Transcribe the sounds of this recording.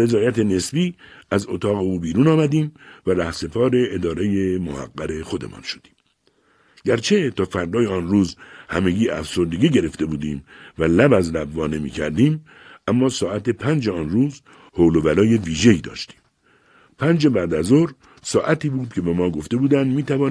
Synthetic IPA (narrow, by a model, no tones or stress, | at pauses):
e̞zɒːjæt̪ʰe̞ne̞sbiːæzot̪ʰɒːɣe̞uːbiːɾuːnɒːmæd̪iːmvæɾæhse̞pʰɒːɾe̞ːd̪ɒːɾe̞jemo̰hæ̰ɡːæɾe̞xo̞d̪e̞̰mɒ̰nʃo̞̥d̪̥i̥ːm | ɟ̥æɾt͡ʃʰe̞t̪ʰɒːfæɾd̪ɒːjeɒːnruːzhæme̞ɟiːʔæ̰fso̞ɾd̪e̞ɡiːɟe̞ɾe̞ft̪e̞buːd̪iːmvælæbæzlæbːɒːne̞mḭːcʰæ̰ɾd̪iːm | æmːɒːsɒːæt̪ʰe̞pʰænd͡ʒeɒnɾuːz | holo̞vælɒːje̞viːʒe̞iːd̪ɒ̰ːʃt̪i̥ːm | pʰænd͡ʒe̞bæd̪æzoɾ | sɒːʔæt̪iːbuːd̪̚cʰe̞bemɒːɡo̞ft̪e̞buːd̪ænd̪miːt̪ʰævɒː